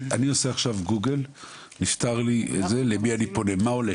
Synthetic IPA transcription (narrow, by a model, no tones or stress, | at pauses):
anioseaχʃavɡuɡel | niʃt̪aʁliʔḛzelebianiponemaole